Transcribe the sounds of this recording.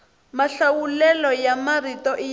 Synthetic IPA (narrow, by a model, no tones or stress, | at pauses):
maɬawulɛlɔjamaritɔʔi